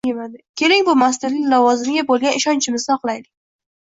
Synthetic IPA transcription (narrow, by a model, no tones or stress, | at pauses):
jemad̪ɪkʲʰe̞lɪŋbʊmas̬t̪ɪɾnɪŋʲlɒvɒzɪmɪɡʲabolˠɡʲanɪʃɒnt͡ʃʰɪmɪzɒqlˠajd̪ɪk̚ʲ